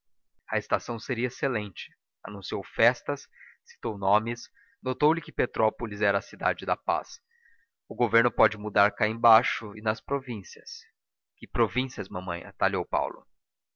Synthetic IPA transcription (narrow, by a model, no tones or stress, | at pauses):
ɐest̪asɐ̃w̃seɾiɐeselẽnt͡ʃɪ̥ | a̰nũsiowfɛst̪ɐsːi̥t̪ownõmɪs | not̪owlɪkɪpet̪ɾɔpolɪzɛɾɐːsid̪a̰d͡ʒɪd̪ɐpa̰s | ʊɡoveɾnʊpɔd͡ʒɪmud̪aɾkaẽbaʃʊɪnɐspɾovĩsiɐs | kɪpɾovĩsiɐzmɐ̃mɐ̰̃j̃ɐ̰t̪aʎowpa̰wlʊ̰